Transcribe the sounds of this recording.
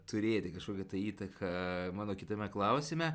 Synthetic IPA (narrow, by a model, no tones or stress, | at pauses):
t̪ʊɾʲeːt̪ʲɪkɐʃkoːkʲɛt̪ɐiːt̪ɐkʰɐmɑːnoːkʲɪt̪ɐmʲɛklˠɐʊsʲɪmʲɛ